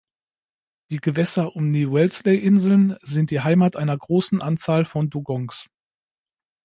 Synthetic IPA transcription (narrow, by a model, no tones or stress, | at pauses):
d̥iːɡəvɛsɐʔʊmniːwɛlsleɪʔɪnzl̩nzɪnt̚d̥iːɦaɪmatʔaɪnɐɡʁoːsn̩ʔant͡saːlfɔnduɡɔŋs